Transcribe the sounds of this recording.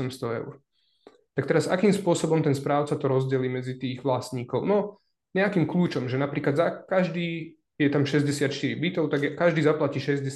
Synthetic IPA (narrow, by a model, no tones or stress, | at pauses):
ɛmst̪ɔɛ̰ʊ̰ɾ | t̪akt̪ɛɾaza̰kiːmspʊɔsɔbɔmt̪ɛnspɾaːʊt͡sat̪ɔɾɔzɟɛliːmɛd͡zit̪iːɣʋlasɲiːkɔʊnɔ | ɲɛakiːmkluːt͡ʃɔmʒɛnapɾiːklad̪zakaʒd̪iː | jɛt̪amʃɛzɟɛsɪat̪t͡ʃt̪iɾibit̪ɔʊt̪aɡjɛkaʒd̪iːzaplaciːʃɛzɟɛ